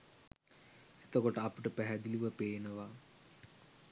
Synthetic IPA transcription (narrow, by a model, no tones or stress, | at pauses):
et̪okoʈəɐpiʈəpæɦæd̪iliʋəpeːnəʋa